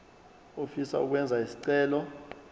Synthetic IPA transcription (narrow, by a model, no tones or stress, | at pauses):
ofisa̰uk̬wɛnd͡zʱaisi̥ǀɛːlɔ